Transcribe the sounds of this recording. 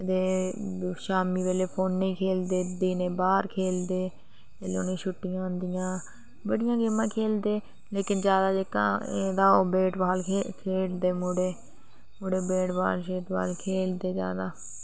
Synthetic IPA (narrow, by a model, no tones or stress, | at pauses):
t̪eː | ʃaːmiːʋeːleːpʰoːnːĩːkʰeːld̪eːd̪iːnẽːbaːɾkʰeːld̪eː | elo̰ːnẽːʃʊʈːɪjãːnd̪ɪjãː | bəɽɪjãːɡɪmãːkʰeːld̪eː | leːkɪnd͡ʒjaːd̪aːd͡ʒeːkã̰ːeːd̪aːoːbeːʈʋaːlkʰeːld̪eːmʊɽeː | mʊɽeːbeːʈba̰ːlʃeːt̪ʋa̰ːlkʰeːld̪eːd͡ʒa̰ːd̪aː